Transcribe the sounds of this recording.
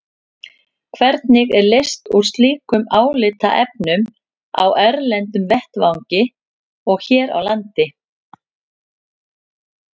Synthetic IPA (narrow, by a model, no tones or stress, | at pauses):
kʰvɛɾt̪nɪɣɛɾlejst̪uɾ̥st̪liːkʏmaːwlɪːt̪a̰ʔɛpnʏm | a̰wʔɛɾlɛnt̪ʏmvɛht̪vawɲcɪ | ɔɣçɛːɾa̰wlant̪ɪ